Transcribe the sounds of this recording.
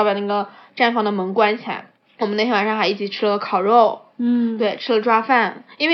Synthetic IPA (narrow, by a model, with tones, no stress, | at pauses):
pa˨˩na˥˩ɡə˩ʈ͡ʂa˥˩nfɑ˥ŋd̪ə˨mə˧˥ŋkwa˥nt͡ɕʰi˨˩a̰˧˥˦ | wɔ˨mə˦ne˥˩ɕjwa˨˩ʂɑ˥˩˧xa˧˥ɪi˥˩t͡ɕi˨˩ʈ͡ʂʰɻ̩˥lə˨kʰɑ˨˩ʊɻo˥˩ʊ | t̪we˥˩ɪʈ͡ʂʰɻ̩˥lə˨ʈ͡ʂwa˥fa˥˩ni˥nwe˥˩